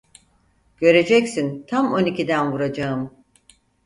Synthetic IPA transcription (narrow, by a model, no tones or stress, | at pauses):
ɟ̥ø̞ɾe̞d͡ʒɛcsint̪ʰamo̞nicid̪ænvuɾad͡ʒaɯm